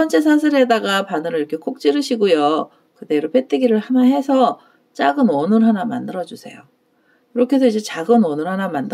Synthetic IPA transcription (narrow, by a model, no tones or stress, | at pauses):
ʌnt͡ɕes̬ʰasʰɯɾe̞daɡapanɯɾɯɭiɾʌkʰe̞k͈ʰok̚t͡ɕ͈iɾɯɕʰiɡojo | kɯde̞ɾopet͈ʰɯɡiɾɯɭhanaɦe̞sʰʌ | t͡ɕ͈aɡɯnʌnɯɾɦanamandɯɾʌd͡ʑusʰe̞jo | kɯɾʌkʰe̞s̬ʰʌid͡ʑe̞t͡ɕaɡɯnʌnɯɾɦanamandɯ